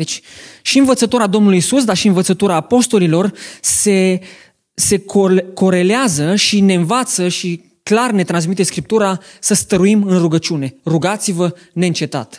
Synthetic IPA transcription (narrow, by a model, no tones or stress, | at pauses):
d̪et͡ʃʲʃiɨnvət̪sət̪oɾad̪o̞mnulujisus̬d̪arʃiɨnvət̪sət̪oɾaːpo̞st̪o̞lilo̞rse̞ | se̞kko̞ɾe̞leazəʃine̞ɨnvat̪səʃi | klarne̞t̪ɾans̬mit̪e̞skɾip̚t̪uɾasəst̪əɾuimɨnruɡət͡ʃune̞ruɡat̪sivə | ne̞ɨnt͡ʃe̞t̪a̰t̪